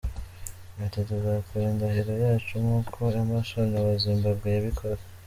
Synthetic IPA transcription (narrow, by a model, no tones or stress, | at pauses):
atatuzakuɾendaheɾo̞jaːt͡ʃumukʰoamaʃonawaziːmbabɡejaβikʰoɾa